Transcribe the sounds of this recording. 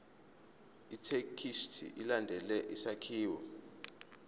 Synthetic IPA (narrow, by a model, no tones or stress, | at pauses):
itʰekʰiʃtʰḭʔilandʱɛlɛʔisakʰiːwɔ̰